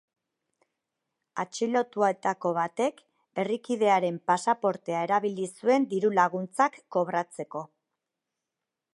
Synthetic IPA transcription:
at͡ʃilo̞t̪uae̞t̪ako̞β̞at̪e̞k | e̞rikiðe̞aɾe̞mpasapo̞ɾt̪e̞ae̞ɾaβilisue̞nd̪iɾulaɣunt͡sakːo̞βɾat͡se̞ko̞

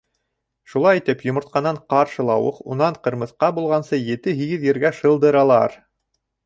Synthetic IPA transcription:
ʃulˠɑjit̪ɘpjŏmŏɾt̪̚qɑnːɑɴqɑɾʃɤlˠɑwɤ̰qṵnɑɴqɤ̆ɾmɤ̆θqɑbulˠʁɑnsɤjɘ̆t̪ɘɦiɡɘðjɘ̆ɾɡæʃɤ̆lˠd̪ɤ̆ɾɑlˠɑ̰ɾ

